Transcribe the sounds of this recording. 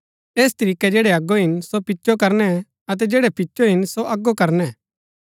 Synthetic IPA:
eːst̪ɐɾiːkːɛd͡ʒeːɽɛɐɡːoɦɪnsopɪt͡ʃːʃokɐɾnɛ | ɐt̪̬ɛd͡ʒeːɽɛpɪt͡ʃːʃoɦɪnsoʔɐɡːokɐɾnɛ

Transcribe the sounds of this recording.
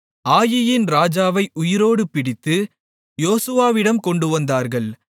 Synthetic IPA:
aːjɪjɪnɾaːd͡ʒaːʋɐɪʔʊjɪɾoːɽɯpɪɽɪt̪ːɯ | joːsɯʋaːʋɪɽɐmkɔɳɖɯʋɐnd̪aːɾɣɐɭ

